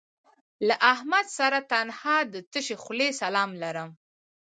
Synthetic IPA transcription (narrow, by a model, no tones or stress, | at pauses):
laʔahmad̪saɾat̪anhɑd̪ət̪əʃexlesalɑmlaɾəm